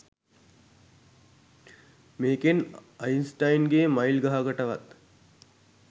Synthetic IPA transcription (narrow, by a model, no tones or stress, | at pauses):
meːkenainsʈajnɡeːmailɡaɦaɡəʈəʋa̰t̪